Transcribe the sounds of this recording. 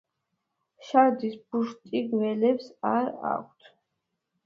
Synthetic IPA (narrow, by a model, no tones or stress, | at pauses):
ʃaɾd̪isbuʃt̪ʼiɡvɛlɛpsaɾa̰kʷʰt̪ʰ